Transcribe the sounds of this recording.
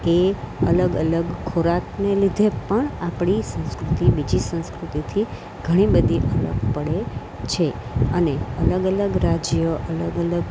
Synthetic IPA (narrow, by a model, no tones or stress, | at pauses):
eələɡə̰ləɡkʰoɾat̪nelid̪ʱepəɳapɳ̃isə̃skɾut̪ibid͡ʒisə̃nskɾut̪it̪ʰi | ɡ̥ʱəɽ̃ibəd̪ʱiʔələ̰ɡpəɽe | t͡ʃʰeəneələɡələɡɾad͡ʒjoʔələɡələɡ